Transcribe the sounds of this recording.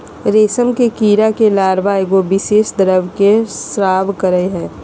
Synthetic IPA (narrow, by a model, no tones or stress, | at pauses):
ɾeːsəmkekiːɾakelaːɾbaeɡobɪʃeːʃd̪əɾəʋkesɾaːbkəɾəeɦɛ̃ː